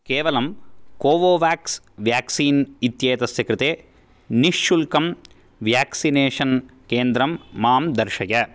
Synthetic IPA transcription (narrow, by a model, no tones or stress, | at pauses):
keːʋɐlɐmkoːʋoːʋjaːks | ʋjaːksiːnit̪jeːt̪ɐsjɐkɾɪt̪eː | niʂːulkɐm | ʋjaːksineːʂɐnkeːnd̪ɾɐmːaːmd̪ɐɾʃɐjɐ